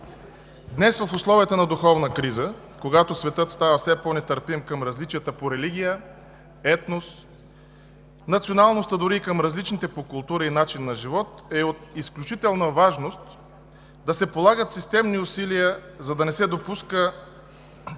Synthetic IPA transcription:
d̪nɛsvɐfoslˠɔvijət̪ənɐd̪uxɔvnəkɾizə | koɡat̪osvɛt̪ɤt̪st̪avəsɛponɛt̪əɾpimkəmɾɐzlit͡ʃijət̪əpoɾɛliɡʲijə | ɛt̪nos | nɐt̪sionalˠnost̪əd̪ʊɾiːkəmɾɐzlit͡ʃnit̪ɛpokʊlˠt̪uɾɐinat͡ʃinːɐʒivɔt̪ɛot̪̚isklʲut͡ʃit̪ɛlˠnəvaʒnost̪ | d̪ɐsɛpolˠaɡət̪sist̪ɛmniʊsiliəzɐd̪ɐnɛsɛd̪opuskə

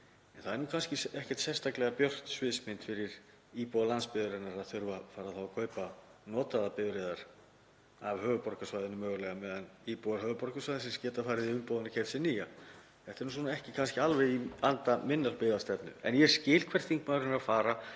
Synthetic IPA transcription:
ɛnθaðɛɾnuːkʰanscɪɛhcɛɾ̥t̪sɛst̪ʰaklɛɣapjœr̥t̪svɪːsmɪnt̪fɪɾɪɾ | iːpowalanspɪðʏɾɪnaɾaðθʏɾvafaːɾaðθawakʰœːɥpanɔːt̪aðapɪvɾeːðaɾ̥ | avhœːvʏpɔɾkasvajðɪnʏmœːɣʏlɛɣamɛːðaniːpowaɾɦœːvʏpɔrkasvajðɪnsɛmscɛːt̪afaːɾɪðiʏmpowðɪnʏ̥cʰɛfsɪniːja | θɛht̪ɪɾnus̬unaɛhcɪkʰanscɪalvɛjiant̪amɪnːalpɪðast̪ɛpnʏ̰ɛ̰njɛɾ̥scɪːlkʰvɛr̥t̪iŋkmaɾɪnɾafaːɾa

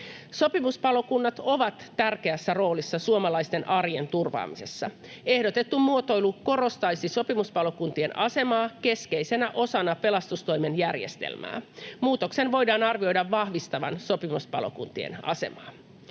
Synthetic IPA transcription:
so̞pimuspɑlokunːɑt̪o̞ʋɑt̪ːærkeæsːæro̞ːlisːɑsuomɑlɑist̪e̞nʔɑrjent̪urʋɑ̰ːmise̞sːɑ | e̞hdot̪e̞t̪ːumuot̪o̞jluko̞ro̞st̪ɑjsiso̞pimuspɑlokunt̪ienɑse̞mɑːke̞skejse̞næʔo̞sɑnɑpe̞lɑst̪ust̪o̞jme̞njærjḛst̪ḛlmæ̰ːmuːt̪okse̞nʋo̞jdɑːnɑrʋio̞jdɑʋːɑhʋist̪ɑʋɑ̰nso̞pimuspɑ̰lo̰kṵnt̪iḛnɑ̰se̞̰mɑ̰ː

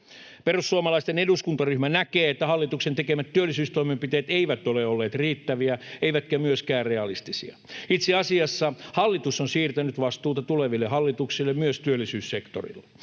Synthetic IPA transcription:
perusːuɑmɑlɑist̪eneduskunt̪ɑryhmænækeːet̪ːæhɑlːit̪uksent̪ekemæt̪t̪ːyølːˑisyːst̪oimempit̪eːt̪eiʋæt̪oleolːeːt̪riːt̪ːæʋiæeiʋæt̪kæmyøskæːrreɑlist̪isḭɑ̰it̪seɑsiɑsːɑhɑlːit̪usonsiːrt̪ænyt̪ʋɑst̪uːt̪ɑt̪uleʋilːehɑlːit̪uksilːemmyøst̪yølːisyːssekt̪o̰rḭlːe

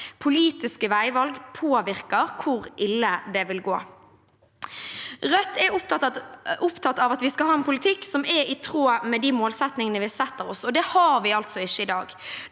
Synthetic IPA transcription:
pʰʊliːt̪ɪskəʋæɪʋɑlɡpʰoːʋɪʁkəʁkʰʊʁɪlːəd̪ɛʋɪlɡoː | ʁœt̪ːɛʊp̚t̪ | ʊpt̪ʰɑt̪ːɑʋɑt̪ʋɪskɑɦɑːɛnpʰʊlɪt̪ʰɪksɔmɛɪt̪ʰʁoːmɛd̪iːmoːlsɛt̪nɪŋənəʋɪsɛt̪ːəʁɔsɔd̪ɛhɑɾʋɪɑlt̪sɔɪʃːəɪd̪ɑːɡ

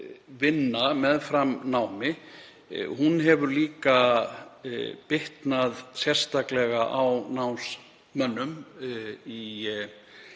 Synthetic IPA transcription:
vɪnːamɛðfɾamnaːwmɪ̰ | hunɦɛvʏɾliːka | pɪht̪naðsjɛr̥st̪aklɛɣaʔawnawns | mœnːʏm | i

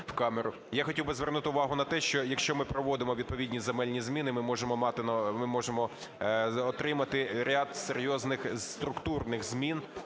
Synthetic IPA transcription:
wkɑmeɾʊ | jaxɔtʲiwbɪzʋernut̪ɪʊʋɑɦʊnɐt̪ɛʃt͡ʃɔjɐkʃt͡ʃɔmɪpɾɔʋɔd̪ɪmɔʋʲid̪̚pɔʋʲidʲnʲizemɛlʲnʲizmʲinɪmɪmɔʒemɔmɑt̪ɪnɐmɪmɔʒemɔ | ɔt̪ɾɪmɐt̪ɪɾʲad̪seɾʲjɔznɪxt̪ɾʊkt̪urnɪxzmʲin

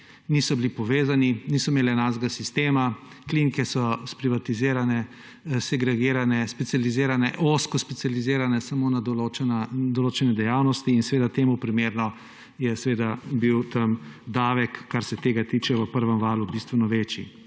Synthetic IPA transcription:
nisɔbilipɔʋeːzaninisɔimeːlɛnazɡasist̪eːma | klinikɛsɔspɾiʋat̪iziːɾanɛ | sɛɡɾɛɡeːɾanɛspɛtsjaliziːɾanɛʔoskɔspɛt̪sijalizeːɾanɛsamoːnad̪ɔlot͡ʃɛnad̪ɔloːt͡ʃɛnɛd̪ɛjaːwnɔst̪iːnsɛʋeːd̪at̪eːmupɾimeɾnɔ | jɛsʋeːd̪abiwt̪ɐmd̪aːʋɛkːaɾsɛt̪eːɡat̪iːt͡ʃɛʋəpəɾʋəmʋaːlubist̪ʋɛnɔʋeːt͡ʃḭ

